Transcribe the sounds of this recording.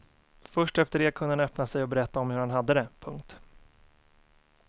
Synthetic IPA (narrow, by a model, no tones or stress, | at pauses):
fœʂʈɛft̪əɖeːkʰɵnəhanœpnasɛjɔbɛɾɛt̪ːaɔmhɵɾhanɦad̪ːəd̪ɛpʰɵŋkt̪